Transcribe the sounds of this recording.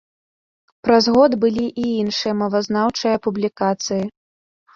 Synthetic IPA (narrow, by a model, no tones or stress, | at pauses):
pɾɐzɣɔd̪bɨlʲiʔiinʂɨjɐmɐvɐznawt͡ʂɨjɐpublʲikat̪sɨji